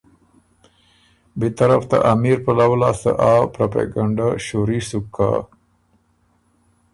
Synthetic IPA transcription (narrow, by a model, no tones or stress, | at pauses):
bet̪aɾaft̪a̰ʔamiɾpalawlasə̰ʔapɾapa̰ɡaɳɖaʃoɾisukʰːa̰